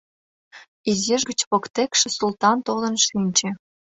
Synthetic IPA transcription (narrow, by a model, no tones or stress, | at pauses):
izeʒɡət͡ɕpokt̪ekʃĕsult̪ɑnt̪olə̆nʃinʲt͡ɕĕ